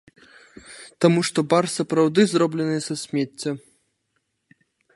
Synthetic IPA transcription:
t̪amuʂt̪ɔbarsɐpɾawd̪ɨzrɔblʲɛnɨjsasʲmʲɛt͡sʲːɐ

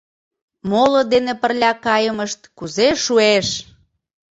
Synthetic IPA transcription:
molod̪enepərlʲɑkɑjəməʃt̪kuzeʃueʃ

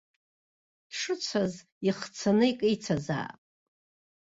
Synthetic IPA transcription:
d̥ʂɨt͡sʷʰaz | iχt͡sʰanɨikʼɨjt͡sʰaza̰ːpʼ

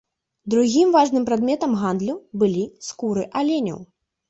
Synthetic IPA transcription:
d̪ɾuɣʲimvaʐnɨmpɾad̪mʲɛt̪ɐmɣand̪lʲubɨlʲiskuɾɨʔalʲenʲɐ̰w

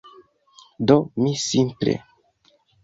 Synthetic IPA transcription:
domisimplḛ

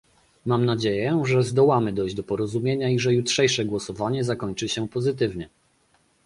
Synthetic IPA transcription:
mamnad͡ʑejɛʐɛzd̪ɔwamɘd̪ɔjʑd͡ʑd̪ɔpɔɾɔzumʲjeɲaiʐɛjutʂɛjʂɛɡwɔsɔvaɲɛzakɔɲt͡ʂɘɕɛpɔzɘt̪̬ɘvɲɛ

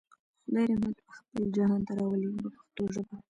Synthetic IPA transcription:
xd̪ɑjɾemat̪pəxpəld͡ʒɑnɑnt̪aɾɑwəlibəpḁxt̪oʒəba

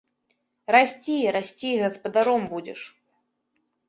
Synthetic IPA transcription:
rasʲt͡sʲijɾasʲt͡sʲiɣɐspɐd̪aɾɔmbud͡zʲɛ̰ʂ

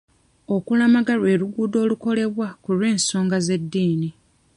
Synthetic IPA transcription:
o̞kulamaɡalwe̞ːɾuɡuːdo̞ːluko̞le̞βwakulwe̞ːnso̞ːŋɡaze̞dːiːni

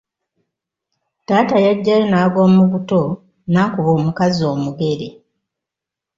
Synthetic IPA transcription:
taːtajaɟːajonaːɡo̞ːmuɡuto̞ | naːkuβoːmukazo̞ːmuɡe̞ɾe

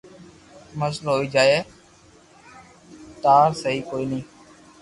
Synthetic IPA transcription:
məslɦoːiːd͡ʒaːeː | t̪aːsəɦiːkoːiːnəĩː

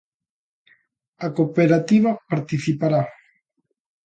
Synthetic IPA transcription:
akopeɾat̪iβapaɾt̪iθipaɾa

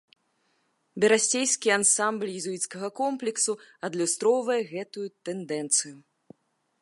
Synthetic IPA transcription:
bʲɛɾasʲejskʲiansamblʲjɛzuit̪skɐɣɐkɔmplʲɛksuɐd̪lʲust̪ɾɔwvɐjɛɣɛt̪ujut̪ɛnd̪ɛnt̪sɨju

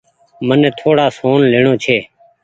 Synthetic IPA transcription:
mənẽːt̪ʰoːɽaːsoːnleːɳoːt͡ʃʰeː

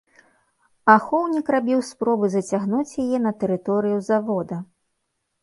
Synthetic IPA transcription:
axɔwnʲikrabʲiwspɾɔbɨzɐt͡sʲaɣnut͡sʲjajɛnɐt̪ɛɾɨt̪ɔɾɨjuzavɔd̪ɐ

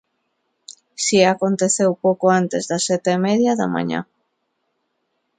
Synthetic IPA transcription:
siakont̪eθewpowkoant̪ezðɐsɛt̪eːmɛðjaðɐ̰ma̰ɲa̰

